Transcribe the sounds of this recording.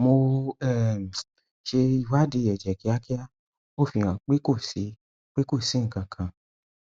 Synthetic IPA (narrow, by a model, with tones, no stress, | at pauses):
mo˧ɛ˦˨ | ʃe˧i˧wa˦di˨˧˦ɛ˨d͡ʒɛ˨ki˨˦a˦ki˦ja˦ | o˦˨fĩ˨˧˨ã˨k͡pi˦ko˦˨si˨˦ | k͡pi˦ko˦˨sĩ˨˦ŋ̩˨kã˨kʰã˨